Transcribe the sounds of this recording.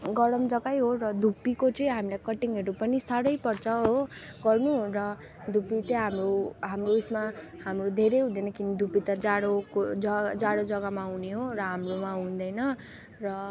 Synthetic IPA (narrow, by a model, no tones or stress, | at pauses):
ɡʌɽʌmd͡zʌɡajɦorʌd̪ʱupikot͡sʌĩɦamilakʌʈiŋʌɾupʌnisaɾʌjpʌrt͡sʰʌɦo | ɡʌrnurʌ | d̪ʱupit̪ʌɦamroɦamroesmahamrod̪ʱeɾeɦũnd̪ʌjnʌkinid̪ʱupit̪ʌd͡zaɽokod͡zʌd͡zaɽod͡zʌɡamaɦuneɦorʌɦamromaɦũnd̪ʌjnʌ | rʌ